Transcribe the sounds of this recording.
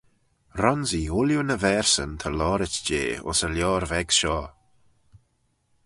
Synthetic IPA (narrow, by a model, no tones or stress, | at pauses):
ɾɔnziʊljunəvɛːɹsənt̪ʰəlɔːɾɪt͡ʃd͡ʒḛːʊ̰səljɔːɾvɛɡ̥ʃɔː